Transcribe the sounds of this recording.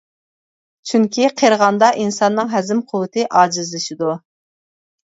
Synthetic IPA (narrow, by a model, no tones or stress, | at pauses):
t͡ʃʰyŋkʲʰiqʰeɾʁɑnd̪ɑʔinsɑnːɨŋɦɛzɪmqʰʊwɨt̪ʰɨʔɑːd͡ʒizlɨʃid̪u